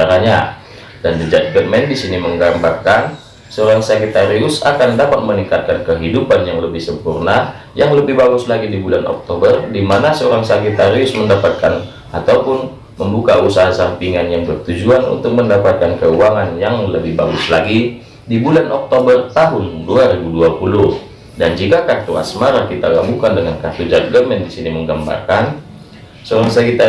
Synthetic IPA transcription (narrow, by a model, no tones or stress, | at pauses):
aɾaɲa | dandəd͡ʒat̪̚ɡət̪mɛndisiniməŋɡambarkan | səoɾaŋsakit̪aɾiʊsa̰kandapat̪̚məniŋkat̪̚kankəɦidupanjaŋləbɪhsəmpurna | jaŋləbɪhbaɡʊslaɡidibulanɔ̰k̚t̪obərdimanasəoɾaŋsakit̪aɾiʊsməndapat̪̚kan | at̪aupʊn | məmbukausaɦasampiŋanjaŋbərt̪ud͡ʒuanṵnt̪ʊk̚məndapat̪̚kankəuaŋanjaŋləbɪhbaɡʊslaɡi | dibulanɔk̚t̪obərt̪aɦʊnduaɾibuduapulʊh | dand͡ʒikakart̪ua̰smaɾakit̪aɡamukandəŋankart̪ud͡ʒarɡəmɛndisiniməŋɡamba̰rkan | səoɾaŋsakit̪a